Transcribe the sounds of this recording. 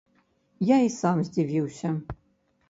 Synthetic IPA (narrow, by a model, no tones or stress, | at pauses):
jaisamzdiviwɕɐ